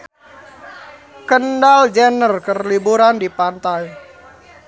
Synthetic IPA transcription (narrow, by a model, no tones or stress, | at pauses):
kəndald͡ʒənərkərlibuɾandipant̪aj